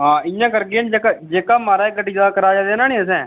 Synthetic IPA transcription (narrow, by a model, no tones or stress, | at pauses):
ɦãːɪjãːkəɾɡeːnd͡ʒeːkad͡ʒeːkaːmaːɾaːɡəʈːiːd͡ʒaːkəɾaːd͡ʒaːd̪eːnaːnĩːəsɛ̃ː